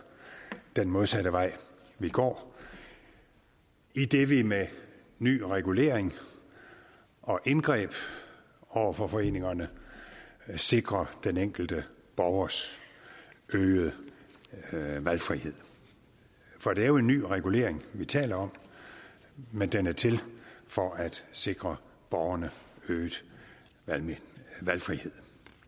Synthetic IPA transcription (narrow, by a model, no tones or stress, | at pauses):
d̥enmo̝ðˠsæɾ̥əʋɑ̈ɪ̰ | ʋiɡ̥ɒ̰ː | id̥e̝ʋime | ny̰ːʁɛɡ̥ule̝̰ːɐeŋ | ʔɒ̽ʔenɡ̥ʁɛ̰ːb̥ | ɒʊ̰ɐfɒ̽fɒ̽e̝̰ːne̝ŋɐnə | se̝ɡ̥ʁɐd̥eneŋ̰ɡ̥l̩d̥əb̥ɒʊɐs | ʔøːð̩ˠ | ʋælfʁihe̝ð̞̰ˠ | fɒ̽d̥e̝æɐjo̝e̝nːy̰ːʁɛɡ̥ule̝̰ːɐeŋʋit͡sʰɛ̰ːlɐɒ̽m̰ | mend̥enæɐt͡sʰe̝lfɒ̽ʔæd̥se̝ɡ̥ʁɐ | b̥ɒʊɐnəø̥ː | ælfʁihe̝ð̰ˠ